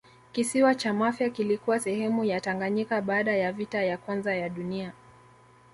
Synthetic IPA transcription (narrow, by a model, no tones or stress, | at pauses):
kisiwat͡ʃamafjakilikuwasɛhɛmujataŋɡaɲikaɓaːɗajavitajakwanzajaɗunia